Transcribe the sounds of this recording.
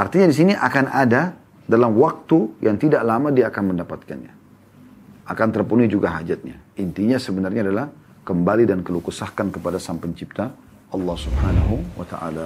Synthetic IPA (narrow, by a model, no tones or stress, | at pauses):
ʔart̪iɲadis̬iniʔakanada | dalamwak̚t̪ujʔaŋt̪idaʔlamadiaːkanməndapat̪̚ka̰nɲa̰ | ʔakant̪ərpunuid͡ʒuɡaɦad͡ʒat̪̚ɲa̰int̪iɲasəbənarɲaːdalah | kəmbalidankəlukusahkankəpadasampəɲt͡ʃip̚t̪a | ɑlːɑhsubhanaɦuwa̰t̪aʔa̰la